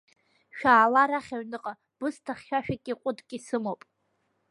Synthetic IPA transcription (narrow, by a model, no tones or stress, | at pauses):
ʃᶣaːlaɾaχʲaɥnɨqʼa | b̥ɨstʰaχʲʃᶣaʃᶣakʲʼiqʷʼʊdʼkʲʼisɨmopʼ